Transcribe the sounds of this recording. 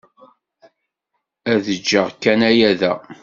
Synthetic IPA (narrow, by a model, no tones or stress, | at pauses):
æðəd͡ʒːəʁkːænæjæðæ